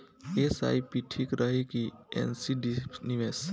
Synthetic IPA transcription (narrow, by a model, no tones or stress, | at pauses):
esa̰jpiʈʰikɾəɦikiḛnsiɖipniʋes